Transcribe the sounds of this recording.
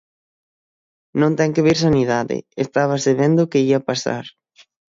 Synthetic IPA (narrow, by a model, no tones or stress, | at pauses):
nõnt̪ɛŋkɪβiɾs̬aniðaðɪ̰est̪aβ̞ɐseβend̪ʊkeiapasa̰ɾ